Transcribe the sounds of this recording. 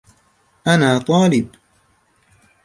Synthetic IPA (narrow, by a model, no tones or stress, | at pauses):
ʔanaːt̪ˤɑːlɪb